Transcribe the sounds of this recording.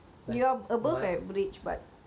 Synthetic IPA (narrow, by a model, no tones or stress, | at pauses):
juaəbəfɛtbɹit͡ʃba̰t̚